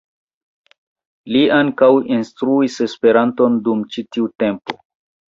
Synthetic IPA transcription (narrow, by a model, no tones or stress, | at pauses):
liaŋkawinstɾuise̞spe̞ɾanto̞ndumt͡ʃitiute̞mpo̞̰